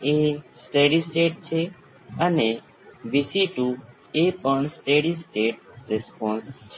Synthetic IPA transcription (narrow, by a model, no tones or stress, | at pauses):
esʈeːɖisʈeːʈ̚t͡ʃʰe | əne | ʋisiʈu | epəɳsʈeːɖisʈeːʈ̚ɾespõːnst͡ʃʰe